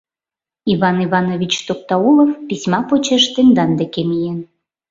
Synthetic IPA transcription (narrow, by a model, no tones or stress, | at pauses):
iβɑniβɑnoβʲit͡ɕt̪ok̚t̪ɑulˠofpisʲmɑpot͡ɕeʃt̪end̪ɑnd̪ekemijen